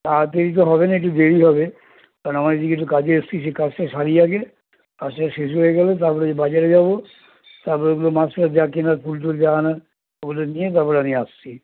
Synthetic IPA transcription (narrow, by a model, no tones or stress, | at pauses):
at̪eɾit̪̬oɦɔbenaeʈ̬ud̪eɾiɦɔbe | kaɾñamaɾd͡ʒ̪iɡeʈ̬ukad͡ʑeestisekasasaɾijake | kaseʃes̬uɦojeɡɛlet̪apɔɾed͡ʒebad͡ʑaɾed͡ʒabo | t̪aɾpɔɾeɡulomasɾad͡ʒakenaɾpʰulʈuld͡ʒana | oɡuloniet̪̬aɾpɔɾeanieast͡ʃʰi